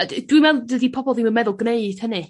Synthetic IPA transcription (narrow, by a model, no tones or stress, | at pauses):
d̥wimɛlˠdədipʰɔbɔlˠðimənmɛðʊlˠɡneɨd̥hənɨ